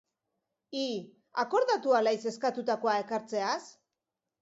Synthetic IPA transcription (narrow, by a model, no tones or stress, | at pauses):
i | ako̞ɾðat̪ualajse̞skat̪ut̪ako̞ae̞kaɾt͡se̞as